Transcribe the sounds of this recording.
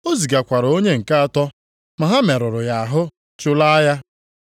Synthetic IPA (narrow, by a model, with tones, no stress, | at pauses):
o˦zi˨ɡa˨kʷa˨ɾo˦ɲe˦ŋ̩˨ka˦a˦˨tɔ˦ | ma˨ɦa˦me˨ɾʊ˨ɾʊ˨ja˨a˨ɦʊ˦ | t͡ʃʊ˦la˦a˦ja˦